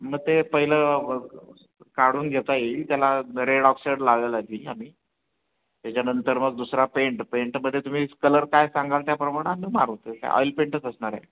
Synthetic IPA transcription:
məɡ̚t̪epəɦilə | kaɽuːnɡʱet̪aeit̪jalaɾeɽɔksiɽlaɡəlaɡ̪iːami | t̪jat͡ɕanənt̪əɾməɡ̚d̪usɾapeɳʈpeɳʈməd̪ʱːjet̪um̤iːkələɾkajsaŋɡalt̪japɾəmaɽ̃ãnima̰ɾɦot̪ək̪a̰ɔ̰jlpeɳʈət͡səsɳaɾḛ

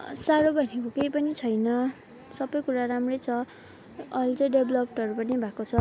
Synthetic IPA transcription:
saɾobʱʌnekokejpʌnit͡sʰʌjnʌ | sʌbʌjkuɾaɾamrʌjt͡sʰʌ | ʌjlt͡sʌjɖeblʌp̚ʈʌɾupʌnibʱakot͡sʰʌ

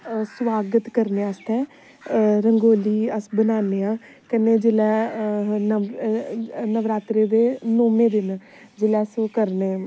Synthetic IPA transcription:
sʋaːɡət̪kəɾneːast̪ɛ̃ː | ɾəŋɡoːliːəsbənaːneːãː | kəneːd͡ʒɪlɛːnə | nəʋɾaːt̪ɾeːd̪eːnoːmẽːd̪ɪn | d͡ʒɪlɛːskəɾneː

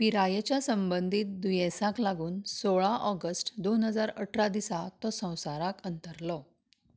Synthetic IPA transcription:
piɾajet͡ɕjasəmbənd̪ʱiːt̪̚d̪ujesãklaɡuːnsoɭaʔɔɡəsʈd̪onɦəd͡zaɾəʈʰɾad̪isat̪ɔsə̃w̃saɾãkənt̪əɾlɔ

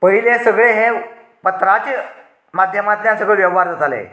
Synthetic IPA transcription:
pəɦilesəɡɭeɦẽ | pət̪ɾat͡ɕ | mad̪ʱjəmat̪njãsəɡɭəɭʋjəʋɦaɾd͡zat̪alḛ

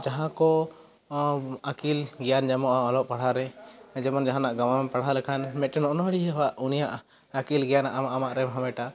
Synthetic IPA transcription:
d͡ʒaɦãkɔ | akilɡɛjand͡ʒɛmɔʔaɔlɔʔpaɽ̤aɾɛd͡ʒɛmɔnd͡ʒaɦãnaʔɡamamɛpaɽ̤alɛkʰanmɛt̪̚ʈɛnɔʔnɔɦəɽiɦɛɦaʔunijaʔ | akilɡɛjanaʔamaʔamaʔɾɛmɦamɛʈa

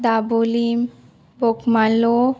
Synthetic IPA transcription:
d̪abolim | bokmalo

